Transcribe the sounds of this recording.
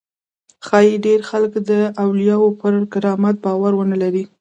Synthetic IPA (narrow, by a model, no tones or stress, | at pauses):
xɑjiɖeɾxaləkd̪əawlijɑwopəɾɡɪɾɑmat̪̚bɑwaɾwənəlaɾi